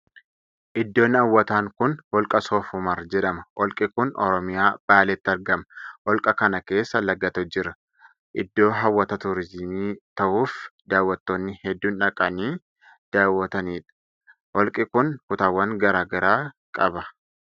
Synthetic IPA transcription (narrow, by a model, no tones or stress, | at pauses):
ʔɪd̪ːo̞ːnːɪɐwːɐt̪aːŋkʊnhɔlkʼɐsoːfʊmɐɾd͡ʒɛᶑɐmɐʔɔlkʼɪkʊnɔ̰ɾɔmɪjaːb̥aːlɛt̪ːɪɐɾɡɐmɐʔɔlkʼɐkɐnɐke̞ːsːɐlɐɡːɐt̪ɔd͡ʒɪɾɐ | ʔɪd̪ːo̞ːɦɐwːɐt̪ɐt̪ʊɾɪzmiːt̪ɐʔuːfd̪aːwːɐt̪ːoːnːɪhɛd̪ːuːnᶑɐkʼɐniː | d̪̥aːwːɐt̪ɐniːᶑɐ̥ | ʔɔlkʼɪkʊnkʊt̪aːwːɐŋɡɐɾaːɡɐɾaː | kʼɐbɐ